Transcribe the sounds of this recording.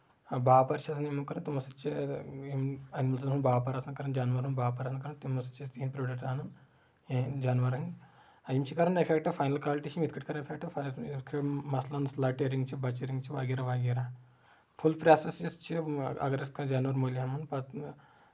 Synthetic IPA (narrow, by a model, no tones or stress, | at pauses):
baːpɐɾt͡ʃʰɐsʰnimɐkɐɾɐt̪imosɐt͡ʃʰiimɐnimɐls̬ɐnɦunbaːpɐɾasnɐkɐɾɐnd͡ʒaːnʋɐɾɦunbaːpɐɾasnɐkɐɾɐnt̪imosɐt͡ʃʰist̪ɦinpɾoːɖɐk̚ʈaːnɐn | d͡ʒaːnʋɐɾɦin | imt͡ʃʰikɐɾɐnɐpʰekʈɐfʰaːjnɐlkaːlʈiʃʰimit̪ʰkʰiʈkɐɾɐnɐpʰek̚ʈɐfakʰiʈmɐslɐnslaːʈeɾiŋɡt͡ʃʰibɐt͡ʃeɾiŋɡt͡ʃʰiʋaːɡiɾɐʋaːɡeɾa | pʰulpɾaːsesist͡ʃʰiɐ̰ɡɐɾɐskʰd͡ʒaːnʋɐɾmoːliɦɐmɐnpɐt̪